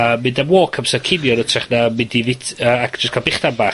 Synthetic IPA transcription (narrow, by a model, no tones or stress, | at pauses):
əːmːɪndamwɔːkʰəmsakʰɪvjɔnətʰrɛχnamɪndivɪtʰəːakʰd͡ʒ̥əskʰabɪχd̥anba